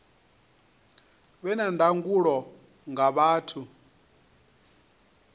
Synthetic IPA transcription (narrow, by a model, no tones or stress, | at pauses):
βɛnandʱaŋɡuɺɔ | ŋɡaβaːtʰu